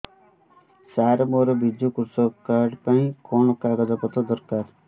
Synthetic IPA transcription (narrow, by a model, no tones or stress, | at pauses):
saɾɔmɔɾɔbid̪jukuɾsɔkaɾɖpaĩkɔɳɔkaɡɔd̪apɔt̪ɔd̪ɔɾkaɾ